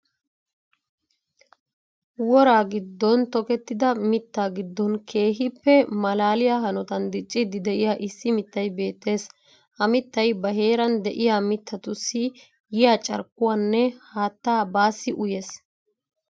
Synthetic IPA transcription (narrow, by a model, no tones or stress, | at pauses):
wɔɾaːɡɪd̪ːɔnt̪ɔkɛt̪ːɪd̪ɐmɪt̪ːaːɡɪd̪ːɔnkʰe̞ːɦɪpːɛmɐlaːlɪjaːɦɐnɔt̪ɐnd̪ɪt͡ʃʼːɪd̪ɪd̪ɛʔɪjaːʔɪsːɪmɪt̪ːɐjbe̞ːt̪ːe̞ːs | ʔɐmɪt̪ːɐjbɐɦe̞ːɾɐnd̪ɛʔɪjaːmɪt̪ʰːɐt̪ʊsːɪ | jɪjaːt͡ʃʼɐ̰ɾkːʊwaːnːɛhaːt̪ːaːbaːsːɪʔʊjeːs